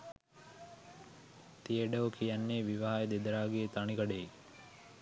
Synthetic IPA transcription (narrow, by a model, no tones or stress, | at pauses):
t̪ijeɖeokʰijɐnːeːʋiʋaɦajed̪ed̪ɐɾaːɡeːt̪ɐɳiɡɐɖei